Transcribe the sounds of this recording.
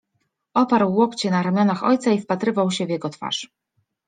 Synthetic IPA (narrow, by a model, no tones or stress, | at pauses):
ʔɔpaɾwːɔkt͡ɕɛnaɾamʲjɔnaxɔ̰jt̪saifpat̪ɾɘvawɕɛvjɛɡɔt̪fa̰ʂ